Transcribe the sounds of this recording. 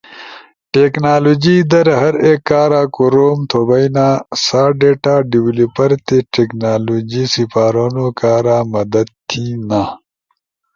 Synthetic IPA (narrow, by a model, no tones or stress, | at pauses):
ʈeknaːloːd͡ʑiːd̪ɐɾɦɐɾekːaːɾaːkoɾoːmt̪ʰobɐjnaːsaːɖeːʈaːɖiwlipɐɾt̪eʈeknaːloːd͡ʑisipaːɾonokaːɾaːmɐd̪ɐd̪̚t̪ʰina